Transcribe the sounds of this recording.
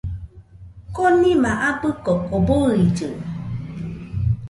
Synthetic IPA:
kɔnimaʔabɨkɔkɔboɾid͡ʒə

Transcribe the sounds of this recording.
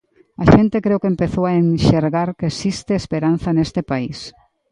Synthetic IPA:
aʃent̪ekɾewkempeθowaenʃeɾɣaɾkesist̪eːspeɾanθɐnest̪ɪpais

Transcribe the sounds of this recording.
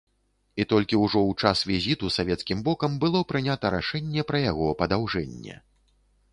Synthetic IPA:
it̪ɔlʲkʲiwʐɔwt͡ʂasvʲizʲit̪usavʲɛt̪skʲimbɔkɐmbɨlˠɔpɾɨnʲat̪ɐɾa̰ʂɛnʲːɛpɾɐjaɣɔpɐd̪awʐɛnʲːɛ̰

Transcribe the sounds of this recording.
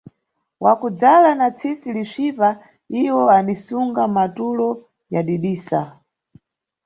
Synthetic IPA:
wakud͡zalanat͡sʰisiliʂipa | iwɔanisuŋɡamatulɔ | jaɗiɗiːsa

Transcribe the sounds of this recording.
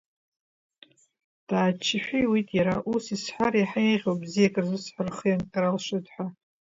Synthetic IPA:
d̥aːt͡ʃʰɪħʷᶣijwitʼjaɾaʔusisħʷarajħejʁʲowbzijakʼɨrzɨsħʷarχɨjankʼaɾalʂɪdʼħʷa

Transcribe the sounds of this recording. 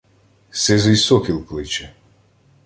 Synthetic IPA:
sɛzɔisɔkilˠklit͡ʃɛ

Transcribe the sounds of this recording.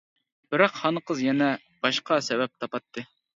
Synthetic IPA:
b̥ɪɾɑqhɑnəqʰəzjɛnɛ | b̥ɑʃqʰɑsɛbɛp̚t̪ʰɑpɑt̪ʰːɨ

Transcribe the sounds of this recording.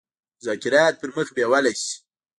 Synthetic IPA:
zakɪɾɑt̪̚pəɾməxbewalajsi̥

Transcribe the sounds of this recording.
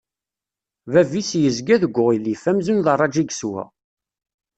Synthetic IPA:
vævisjəzɡæðəɡʷːʊʁilifæmzunðərˤːɑd͡ʒiɡswæ̰

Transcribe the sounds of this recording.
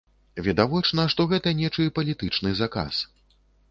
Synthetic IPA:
vʲɛd̪avɔt͡ʂnɐʂt̪ɔɣɛt̪ɐnʲɛt͡ʂɨpɐlʲit̪ɨt͡ʂnɨzaka̰s

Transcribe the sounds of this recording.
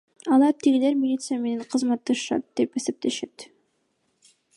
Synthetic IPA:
ɑlˠɑɾt̪ʰiɡile̞ɾmʲɪlʲit̪sɨjame̞ne̞ɴqʰɯzmɑt̪ːɑʃʃɑ̰t̪̚d̪̥e̞pe̞se̞p̚t̪e̞ʃet̪

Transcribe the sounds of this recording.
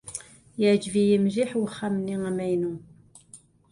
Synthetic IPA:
jəʕd͡ʒvijəmʒiħwəχːamniŋæmæjnu

